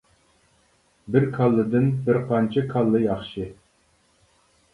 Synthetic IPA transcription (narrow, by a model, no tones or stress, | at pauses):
bɪɾkʰɑlˠːɨd̪ɨnbɪɾqʰɑnt͡ʃʰɪkʰɑlˠːɨjɑχʃɨ